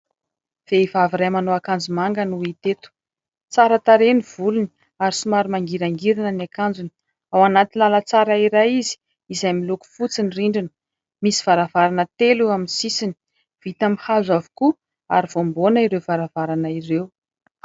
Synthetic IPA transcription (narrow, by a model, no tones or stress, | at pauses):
v̥eivaviɾajmanoakand͡zumaŋɡənuit̪et̪u̥ | t͡saɾət̪aɾeniv̥uluni | aɾisumaɾimaŋɡiɾaŋɡiɾinanakand͡zun | awanat̪inlalət͡saɾaiɾajizi̥ | izajmiluku̥fut͡siniriɳɖ͡ʐinə̥ | misi̥v̥aɾavaɾanət̪eluaminsisini̥ | v̥it̪amihazavu̥ku | a̰ɾiv̥ombonəiɾewv̥aɾavaɾanairew